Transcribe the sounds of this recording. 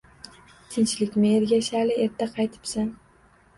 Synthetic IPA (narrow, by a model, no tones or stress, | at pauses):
t̪ʰɪnt͡ʃlɪkʲmɪeɾɡʲaʃalɪe̞ɾt̪ʰaqʰɑjt̪ʰɪ̥psan